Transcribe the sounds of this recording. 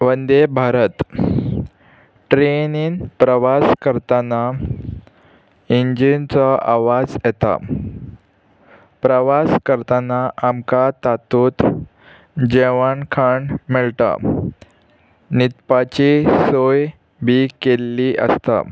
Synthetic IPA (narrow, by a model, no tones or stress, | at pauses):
ʋənd̪ebʱaɾət̪ | ʈɾeniːnpɾəʋaskəɾt̪ana | iɲd͡ʑint͡sɔʔaʋad͡zjɛt̪a̰ | pɾəʋaskəɾt̪anaʔamkat̪at̪uːt̪ | d͡ʑeʋaɳkʰaɳmiɭt̪a̰ | nit̪pat͡ɕisoj | bʱikelːiʔə̰st̪a̰